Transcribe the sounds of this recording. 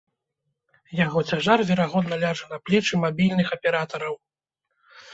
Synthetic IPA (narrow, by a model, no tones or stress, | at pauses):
jaɣɔt͡sʲaʐarvʲɛɾaɣɔd̪nɐlʲaʐɐnɐplʲɛt͡ʂɨmabʲilʲnɨxɐpʲɛɾat̪ɐɾɐw